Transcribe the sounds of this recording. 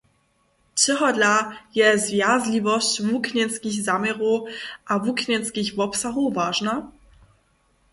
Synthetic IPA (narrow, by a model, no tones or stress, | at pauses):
tɪɦɔdlajɛzvjaːzlivɔstvukʰnɛnskiçzamɛʁoʔavuknɛnskɪçvɔpsaɦovaːʒna